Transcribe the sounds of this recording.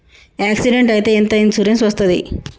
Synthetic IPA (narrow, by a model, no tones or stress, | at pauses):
aːksiɖeɳʈɐjit̪e̞ːent̪ɐinsuɾimsʋɐst̪ɐd̪ḭ